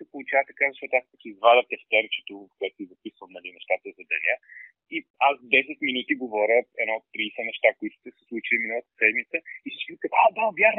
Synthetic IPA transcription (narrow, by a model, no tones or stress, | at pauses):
t̪ɛpolˠut͡ʃavət̪ɐkavzɐʃt̪ɔt̪ʊaspət̪iizvad̪ət̪ɛft̪ɛɾt͡ʃɛ̥t̪ovɐfkoʊɛt̪ʊ̥sizɐpisvəmnɐlinɛʃt̪at̪əzɐd̪ɐ̰nʲə | iazd̪ɛsɛt̪minut̪iɡovɔɾʲəɛd̪nɔot̪ːɾisɛnɛʃt̪akʊit̪ʊ̥t̪ɛsɛ̥slˠut͡ʃiliminəlˠət̪ə̥sɛd̪mit̪səisiʃikət̪ad̪avjax